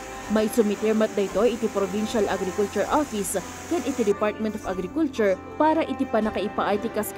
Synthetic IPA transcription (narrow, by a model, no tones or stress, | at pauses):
mɐjsʊmɪt̪ɛɹmɐt̪̚d̪ɐʔɪt̪o̞jʔɪt̪ipɾobinʃɐlʔaɡɾɪkʊlt͡ʃʊɹʔofɪs | kɛnʔɪt̪id̪ɪpaɹt̪̚mɛ̃nt̪ɔfɐɡɾɪkult͡ʃʊɹ | paːɾɐʔɪt̪ɪpɐnɐkɐʔɪpaʔɐjt̪ɪkɐsk